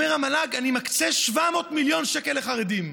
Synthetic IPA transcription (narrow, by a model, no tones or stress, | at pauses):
eʁamalaɡanimakt͡seʃvamo̞t̪miljo̞nʃekeleχaʁed̪im